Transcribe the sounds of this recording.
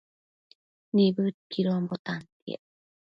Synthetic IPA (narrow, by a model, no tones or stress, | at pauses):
nibɯkiɾoambot̪ant̪iḛ